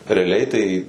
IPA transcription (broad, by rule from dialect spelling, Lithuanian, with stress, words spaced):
rʲɛɐˈlʲɛɪ tɐɪ